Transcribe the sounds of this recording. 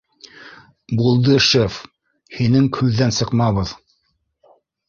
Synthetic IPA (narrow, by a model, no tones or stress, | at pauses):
bulˠd̪ɤʃef | hinɘŋkʰʉðːænsɤ̆qmɑβɤð